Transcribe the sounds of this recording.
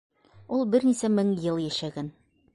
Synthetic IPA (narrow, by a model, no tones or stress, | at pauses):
ulˠbɘ̆ɾnisæmɘŋjɤlˠjæʃæɡæn